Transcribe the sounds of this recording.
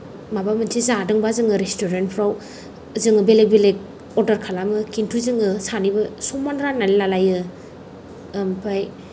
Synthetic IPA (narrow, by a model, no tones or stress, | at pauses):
mabamɯntʰizadɯŋbazɯŋɯɾestoɾentpʰɾaw | zɯŋɯbelebelek̚ | oɾdɐɾkʰalamɯkintʰuzɯŋɯsanibɐsɔmanɾanːalilalajɯ | mpʰaj